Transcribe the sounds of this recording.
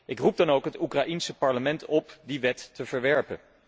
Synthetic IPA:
ʔɪkrub̚dɑnowkɦətukraʔinsəpɑɹləmɛntɔpdiʋɛtːəv̥əɹʋɛɹpə̰n

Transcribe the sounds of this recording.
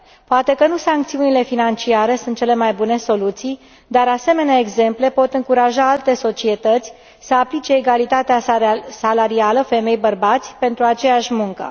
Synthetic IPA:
poat̪e̞kənusaŋkt̪siunile̞finant͡ʃiaɾe̞sunt̪̚t͡ʃe̞le̞majbune̞so̞lut̪sij | d̪aɾase̞me̞neaeɡze̞mple̞po̞t̪ɨŋkuɾaʒaalt̪e̞so̞t͡ʃie̞t̪ət̪sʲ | səaplit͡ʃe̞ːɡalit̪at̪easalaɾialəfe̞me̞jbərbat̪sʲpe̞nt̪ɾuat͡ʃe̞jaʃʲmuŋkə̰

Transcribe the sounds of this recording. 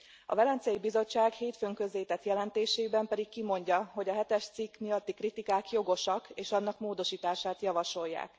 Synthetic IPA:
ɒ̰vɛlɛnt̪siɛjibizo̞t͡ʃːaːɡheːt̪føːŋkø̞zleːt̪ɛt̪jɛlɛnt̪eːʃeːibɛmpɛd̪ikkimo̞ɲɟɒɦo̞ɟɒɦɛt̪ɛʃt̪sikːmijɒt̪ːikrit̪ikaːkjo̞ɡo̞ʃɒkeːʃɒnːɒkmoːd̪o̞ʃiːt̪aːʃaːt̪jɒvɒʃo̞jːa̰ːk

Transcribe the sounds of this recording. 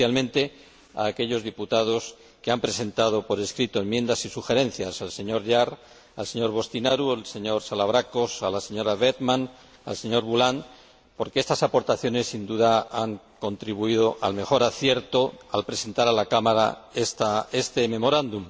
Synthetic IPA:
jalmẽ̞nt̪e̞ | a̰ːke̞ʎo̞zðiput̪að̞o̞s | keampɾe̞se̞nt̪að̞o̞po̞ɾe̞skɾit̪oe̞mjẽ̞nd̪asisuxe̞ɾẽ̞nθjasalse̞ɲo̞ɾʎaɾ | a̰lseɲo̞ɾβ̞o̞st̪inaɾualse̞ɲo̞ɾsalaβ̞ɾako̞salase̞ɲo̞ɾaβ̞et̪mãn | a̰lse̞ɲo̞ɾβulan | po̞ɾkeest̪asapo̞ɾt̪aθjo̞ne̞sːind̪uðaaŋ | ko̞nt̪ɾiβuið̞o̞ʔa̰lme̞xo̞ɾaθje̞ɾt̪o̞alpɾe̞se̞nt̪aɾalakamaɾa̰est̪aest̪e̞mẽ̞mo̞ɾand̪um

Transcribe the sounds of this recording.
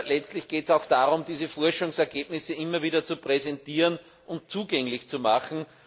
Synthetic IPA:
lɛt͡stlɪçɡ̥eːtsaʊxd̥aːʁʊmd̥iːzəfɔɐʃʊŋsɛɐɡeːbnɪsəʔɪmːɐviːɾɐt͡supʁɛzɛntiːʁən | ʔʊnt̚t͡suːɡɛŋlɪçt͡sumaxn̩

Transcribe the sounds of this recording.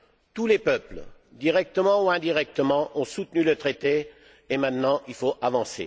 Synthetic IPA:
t̪ulepœpl | d̪iʁɛk̚t̪əmɑ̃uɛ̃d̪iʁɛk̚t̪əmɑ̃ʔɔ̃sut̪nylət̪χet̪e | emɛ̃t̪nɑ̃ʔilfoavɑ̃sḛ

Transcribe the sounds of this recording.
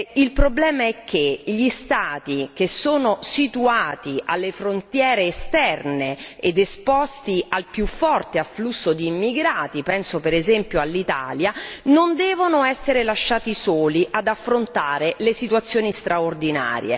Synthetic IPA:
ilpɾoblɛːmaɛkʰːeʎist̪aːt̪ik̟esoːnosit̪uaːt̪iʔalːefɾont̪jɛːɾeːst̪ɛrneed̪espɔst̪ialpjufːɔrt̪ealflusːod̪iːmːiɡɾaːt̪ipɛnsopeɾezɛmpjoalːit̪a̰ːljanond̪ɛːvonoɛsːeɾelaʃːaːt̪isoːliʔad̪afːɾont̪aːɾelesit̪uat̪sːjoːnist̪ɾʔaord̪ina̰ːɾj̰ḛ

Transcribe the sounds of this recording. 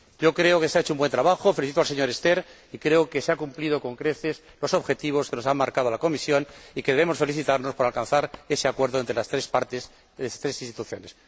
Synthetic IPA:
ɟ͡ʝo̞kɾe̞okeseaet͡ʃoumbwe̞nt̪ɾaβaxo̞fe̞liθit̪oalse̞ɲo̞ɾe̞st̪e̞ɾ | ikɾe̞oke̞seakumplið̞o̞ko̞ŋkɾe̞θe̞s | lo̞so̞βxe̞t̪iβ̞o̞skeno̞sammaɾkað̞oalako̞misjo̞nike̞ðeβe̞mo̞sfe̞liθit̪aɾno̞spo̞ɾalkanθaɾe̞seakwe̞ɾðoent̪ɾelast̪ɾe̞spaɾt̪ez | et̪ɾesinst̪i̥t̪uθjo̞ne̞s

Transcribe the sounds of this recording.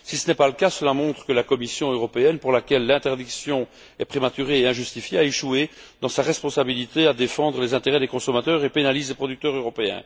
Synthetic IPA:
sisənɛpaləkasəlamɔ̃t̪χə̥kəlakɔmisjɔ̃øʁɔpeɛnpuʁlakʲɛlːɛ̃t̪ɛʁd̪iksjɔ̃ | ɛpχemat̪yʁeːɛ̃ʒyst̪ifjeaeʃue | d̪ɑ̃saʁɛspɔ̃sabilit̪ead̪efɑ̃d̪ʁəlezɛ̃t̪eʁɛd̪ekɔ̃sɔmat̪œːʁepenalizlepχɔd̪yk̚t̪œʁøʁɔpeɛ̰̃

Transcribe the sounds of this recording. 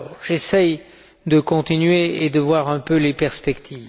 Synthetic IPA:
ʒesɛj | d̪əkɔ̃t̪inɥeed̪əvwaʁɛ̃pølepɛʁspɛkt̪ʰiːv

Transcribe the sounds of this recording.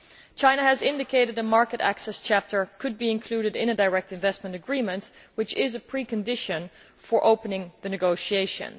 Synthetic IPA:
t͡ʃʰãɪ̃nəːzɪ̃ndɨkʰeɪɾɨdəmɑɹkɨɾæ̰ksɛst͡ʃʰæp̚tʰə˞kʰɨd̚biɨ̃nkʰl̥uɾɨɾɪ̃nɨdaɹɛk̚tɨ̃ɱvɛst̚mə̃ntɨɡɹĩmə̃ntwɨt͡ʃɪzɨpʰɹ̥ikɨ̃ndɪʃɨ̃n | fə˞ʔoʊpənɪ̃ŋðɨnɨɡoʊʃieɪʃɨ̰̃n

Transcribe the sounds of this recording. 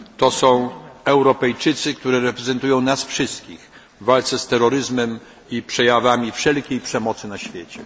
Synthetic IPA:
t̪ɔsɔ̃w̃ɛwɾɔpɛjt͡ʂɘt̪sɘkt̪uɾɛɾɛpɾɛzɛnt̪ujɔ̃w̃nasfʂɘst̪kʲix | valt̪sɛst̪ɛɾɔɾɘzmɛm | ipʂɛjavamʲifʂɛlkʲejpʂɛmɔt̪sɘnaɕfʲjet͡ɕɛ

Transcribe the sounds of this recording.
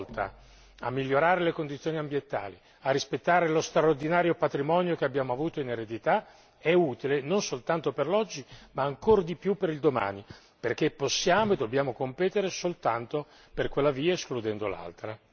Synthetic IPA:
lt̪a̰ | a̰mːiʎːoɾaːɾelekond̪it̪sːjoːniambjent̪a̰ːli | arːispet̪ːaːɾelost̪ɾaord̪inaːɾjopat̪ɾimɔːnjokeabjaːmoavuːt̪oineɾed̪it̪a | ɛuːt̪ilenonsolt̪ant̪operlɔd͡ʒːimaːŋkoɾd̪ipjupːeɾild̪oma̰ːni | perk̟epːosːjaːmoed̪obːjaːmokompɛːt̪eɾesolt̪ant̪o | perkwelːaviːaesklud̪ɛnd̪o̰la̰lt̪ɾa

